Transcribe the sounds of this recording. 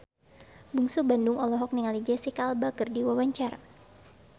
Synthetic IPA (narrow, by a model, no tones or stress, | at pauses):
buŋsubandʊŋɔlɔɦɔk̚niŋalid͡ʒɛsikalbakərdiwawaɲt͡ʃar